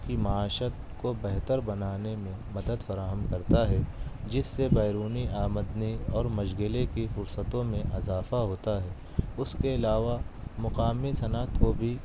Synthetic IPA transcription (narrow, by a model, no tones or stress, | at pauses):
kimaaːʃət̪kobɛɦt̪əɾbɐnaːnemẽmɐd̪əd̪fɐɾaːɦəmkɐɾt̪aɦɛd͡ʒɪsːebɛːɾuːniʔaːməd̪niɔːɾmɐʃɡɪlekifʊɾsət̪õmẽʔɪzaːfaɦoːt̪aɦɛː | ʊskeɪlaːʋamʊqaːmisɐnət̪kobʱi